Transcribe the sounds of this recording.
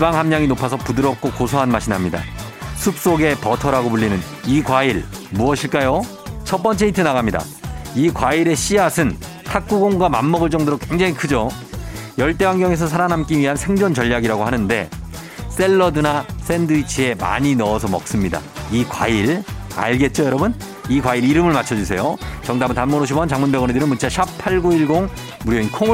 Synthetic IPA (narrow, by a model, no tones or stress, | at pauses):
ibaŋɦamɲaŋinopʰas̬ʰʌpudɯɾʌp̚k͈okosʰʌɦanmaɕʰinɦamɲida̰sʰup̚s͈oɡe̞pʌtʰʌɾaɡopuʎːinɯn | ikwaiɭmuʌɕʰiɭk͈ajo | t͡ɕʰʌp͈ʌnt͡ɕ͈e̞itʰɯnaɣamɲida̰ | ikwaiɾe̞ɕ͈ʰiasʰɯn | kʰak̚k͈uɡoŋɡwamamːʌɡɯɭt͡ɕ͈ʌŋdoɾokwe̞ŋd͡ʑaŋikʰɯd͡ʑo | jʌɭt͈e̞waŋɡjʌŋe̞s̬ʰʌs̬ʰaɾanɦamk͈iɥiɦansʰe̞ŋd͡ʑʌnt͡ɕʌʎːaɡiɾaɡohanɯnde̞̰ | s͈e̞ɭːʌdɯnas͈ʰe̞ndɯit͡ɕʰie̞ma̰ɲinʌːsʰʌmʌk̚s͈ɯmɲida̰ikwa̰iɾa̰ɭɡe̞t̚t͡ɕ͈ojʌɾʌbun | ikwaiɾiɾɯmɯɭmat͡ɕʰʌd͡ʑusʰe̞jot͡ɕʌŋdabɯntanmonoɕ̬ʰibʌnt͡ɕaŋmunbeɣʌnedɯɾɯnmunt͡ɕʰaɕʰap̚pʰaɭɡoiɭɡoŋ | muɾjoinkʰoŋ